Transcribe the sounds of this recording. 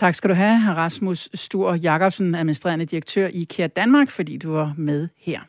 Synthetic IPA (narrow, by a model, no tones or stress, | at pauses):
t͡sʰɑ̈ɡ̥sɡ̥æɾuɦæʁɑ̈smusːd̥uɐ̰jɑ̈kʰɒ̽b̥sn̩æð̩ˠminisd̥ʁḛɐnəd̥iʁɐɡ̥t͡sʰø̰ɐ̰ʔikʰeɐd̥ænmɑ̈ːɡ̥fɒ̽d̥ḭːd̥uʋɑ̈með̞ˠheɐ̰